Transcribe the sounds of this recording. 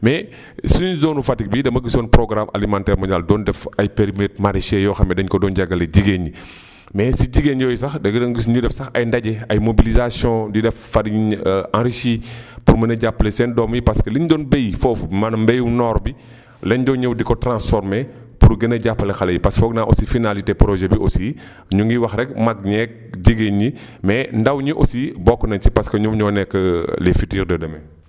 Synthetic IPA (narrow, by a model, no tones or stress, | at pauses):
mɛ | sunzoːnufatik̚bidɐmɐɡisɔːnpɾɔɡɾama̰limãːntɛːɾmɐɲaldɔːndɛfɐjpeɾimɛt̚maɾiʃɛjɔxɐmɛdɐɲkɔdɔːnɟaɡɐleɟiɡeɲi | mɛsiɟiɡenjɔːjsɐxdɐɡɐdɐŋɡis̬ɲudɛfsɐxɐ̰jndɐɟɛɐjmobilizasjɔ̃didɛffaɾiãɾiʃipuɾmɐnɐɟapːəlɛsɛndɔːmjipɐskəlindɔːnbejfɔːfmɐnmbɛjunɔːɾbi | lɛnɟɔɲɛwdikɔtɾãnsfɔɾme | puɾɡɐnɐɟapːɐlɛxɐlɐjipɐsfɔːknaʔosifinalitepɾɔʒɛbiʔosi | ɲuŋɡiwɐxrɛkmɐk̚ɲɛk̚ɟiɡeɲi | mɛndɐwɲiʔosibɔkːɔnɐnt͡ʃipɐskəɲumɲɔːnɛkːəlefitiːɾdɐdɐmɛ